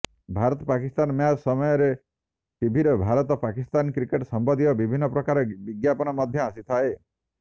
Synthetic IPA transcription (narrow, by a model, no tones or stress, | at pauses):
bʱaɾɔt̪ɔpakist̪anɔmjasɔmɔjɔɾe | ʈibʱiɾɔbʱaɾɔt̪ɔpakist̪ankɾikeʈsɔmbɔd̪iɔbibʱinːɔpɾɔkaɾɔbiɡjapɔnɔmɔd̪ʱjɔasit̪ʰae